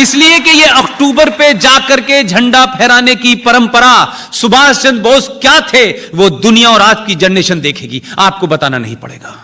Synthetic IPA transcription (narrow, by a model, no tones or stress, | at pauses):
ɪsliekejeʔɐkʈuːbəɾped͡ʒaːkɐɾked͡ʒʱɐ̃ɳɖapʰɛːɾaːnekipɐɾə̃mpəɾa | sʊbʱaːst͡ʃɐ̃nd̪̚bʱoːskjaːt̪ʰeʋod̪ʊnijaɔːɾaːd͡ʒkid͡ʒɐnːeːʃənd̪eːkʰeːɡiːaːp̚kobɐt̪aːna̰nɐ̰ɦĩpɐ̰ɽ̤ḛːɡaː